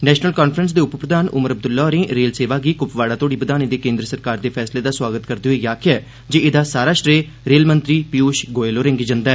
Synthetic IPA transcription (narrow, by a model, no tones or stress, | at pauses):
nɛːʃnəlkaːnpʰɾəns̬d̪eːʊppɾəd̪aːnʊ̰məɾəb̚d̪ʊlːaːɾẽːɾeːlseːʋaːɡiːkʊpʋaːɽaːt̪ʰoːɽiːbəd̪aːnid̪eːkẽːnd̪ɾəsəɾkaːɾd̪eːpʰɛːsleːd̪aːswaːɡət̪kəɾd̪eːɦoeːjaːkʰɪɛː | d͡ʒeːɪd̪aːsaːɾaːʃɾeː | ɾeːlmənt̪ɾiːpijuːʃɡoːeːloːɾɛ̃ːŋɡiːd͡ʒənd̪aɛː